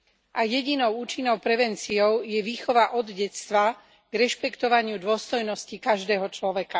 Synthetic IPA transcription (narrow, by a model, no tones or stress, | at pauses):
ʔajɛɟinɔʊuːt͡ʃinːɔʊpɾɛʋɛnt͡siɔʊjɛʋiːxɔʋaʔɔd̪ɟɛt̪st̪ʋa | ɡ̥ɾɛʃpɛkt̪ɔʋaɲɪud̪ʊɔst̪ɔjnɔscikaʒd̪ɛːɦɔt͡ʃlɔʋɛka